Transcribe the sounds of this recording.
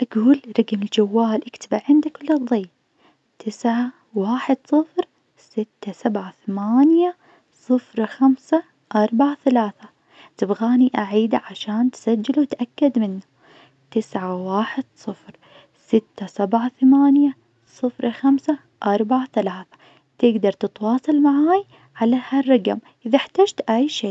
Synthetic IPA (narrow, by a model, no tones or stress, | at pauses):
ʔaɡuːlɾˤɑɡmɪld͡ʒawːaːlʔɪkt̪abɪʕʕɪnd̪akʊlːɨðˤːiː | t̪ʰɪsʕa | waːħɪd̪sˤɨfɾ | sɪt̪ːasabʕaθamaːnja | sˤɨfɾxamsa | ʔɑɾˤbaʕaθalaːθa | t̪ɪbɣaːniʔaʕiːd̪aʕaʃaːnt̪sad͡ʒːɪlut̪ʔakːad̪mɪnːu | t̪ɪsʕawaːħɪd̪̥sˤɨfɾ | sɪt̪ːasabʕaθamaːnja | sˤɨfɾˤxamsa | ʔɑɾˤbaʕaθalaːθḁ | t̪ɪɡd̪ɑɾˤt̪ɨt̪wɑːsˤɑlmaʕaːj | ʕalaharˤːɑɡamʔɪðaħt̪aːd͡ʒt̪ʔajʃeː